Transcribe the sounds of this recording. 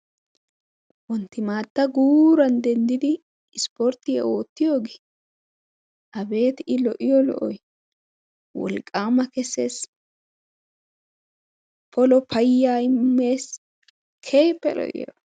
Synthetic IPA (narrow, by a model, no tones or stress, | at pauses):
wɔnt̪ːɪmaːt̪ːɐɡuːɾɐnd̪ɛnd̪ɪd̪ɪ | ɪspɔɾt̪ːɪjɛ̰o̞ːt̪ːɪjo̞ːɡe | ʔɐbe̞ːt̪ɪlɔʔɪjɔlɔ̰ʔɔj | wɔ̰lkʼːaːmɐkɛsːes | pɔlɔpʰɐjːaːjmːeːs | kʰe̞ːpːɛlɔ̰ʔɪ̰jɔ̰